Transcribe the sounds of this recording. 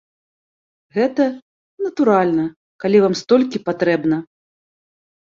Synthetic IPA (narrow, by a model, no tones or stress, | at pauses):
ɣɛt̪ɐ | nɐt̪uɾalʲnɐ | kalʲivamst̪ɔlʲkʲipat̪ɾɛbnɐ